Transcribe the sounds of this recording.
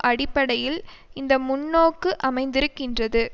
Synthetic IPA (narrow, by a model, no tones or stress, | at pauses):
ʔɐɽɪpːɐɽɐjɪl | ɪnd̪ɐmʊnːoːkːɯʔɐmɐɪnd̪ɪɾɯkːɪndrɐðɯ